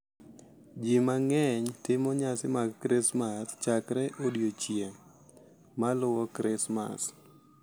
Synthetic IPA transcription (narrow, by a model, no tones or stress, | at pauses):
d͡ʒimaŋɛɲtɪmɔɲasɪmaɡkɾɪsmast͡ʃakɾɛʔodjot͡ʃje | malʊwɔkɾɪsma̰s